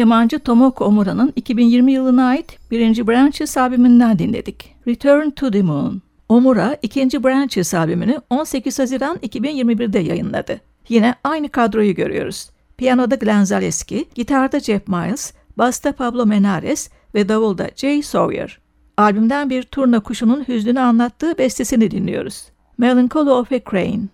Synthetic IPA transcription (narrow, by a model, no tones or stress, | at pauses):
jamand͡ʒɯt̪ʰo̞mo̞kʰomuɾanɯnicʰibinjiɾmijɯlˠɯnaːjit̪b̥iɾind͡ʒibɾænt͡ʃʰisaːbimind̪ænd̪inlʲḛd̪̥ic | ɾit̪ʰøɾnt̪ʰud̪imun | omuɾaicʰind͡ʒibɾænt͡ʃisaːbiminio̞nse̞cizhaziɾanicʰibinjiɾmibiɾd̪ɛja̰jɯnlˠa̰d̪ɯ | jinɛajnɯkʰad̪ɾo̞juɟø̞̰ɾy̰jo̞̰ɾuz̥ | pʰijano̞d̪aɡlʲænzalʲɛsciɟ̥it̪ʰaɾd̪ad͡ʒɛfmajlˠs | bast̪ʰapʰablˠo̞me̞naɾɛs | vɛd̪avulˠd̪a̰d͡ʒejso̞̰vjḛɾ̥ | alʲbymd̪ænbiɾt̪ʰuɾnakʰuʃununhyzlʲynyanlˠat̪ʰːɯːbɛst̪ʰesinid̪inlʲḭjo̞̰ɾuz̥ | melˠiŋkʰolˠoofɛkʰɾḛjn